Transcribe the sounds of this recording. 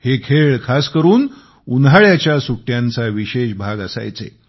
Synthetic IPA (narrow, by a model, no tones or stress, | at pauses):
hekʰeɭkʰaskəɾuːn | unɦaɭjat͡ɕjasuʈjant͡saʋiɕeɕbʱaɡəsa̰jt͡sḛ